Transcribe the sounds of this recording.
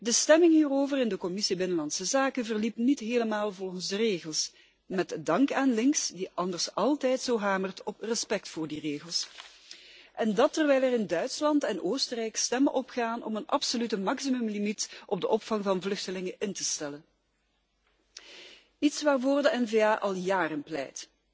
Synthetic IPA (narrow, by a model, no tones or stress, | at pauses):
dəstɛmɪŋɦiːroːvərɪndəkɔmɪsibɪnəlɑntsəzaːkənvərlipnitɦeːləmaːlˠvɔlˠɣənzdəreːɣəlˠs | mɛtdɑŋkaːnlɪŋksdiʔɑndərsɑlˠtɛjtsoːɦaːmərtɔprəspɛk̚tfʊːrdireːɣəlˠs | ʔɛndɑtːərʋɛjlˠɛrɪndœɥtslɑntɛnʔoːstərɛjkstɛməʔɔpxaːnɔ̰mənʔɑ̰psolytəmɑksimɵmlimitʔɔb̚dəʔɔpfɑŋvɑnvlɵxtəlɪŋəʔɪntəstɛlən | itsʋaːrvoːrdəɛnveːaːʔɑlˠjaːrənplɛ̰jt